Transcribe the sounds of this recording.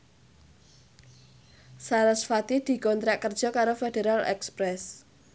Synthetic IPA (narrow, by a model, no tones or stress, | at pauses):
saɾəsfat̪id̪̥i̤kɔnt̪ɾaʔkərd̥ʒ̥ɔ̤kaɾofedeɾalɛ̰kspɾɛs